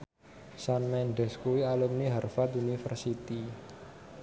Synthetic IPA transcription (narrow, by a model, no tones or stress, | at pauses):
sanmɛnɖɛ̤skuwialumniɦarfat̪unifə̰rsit̪i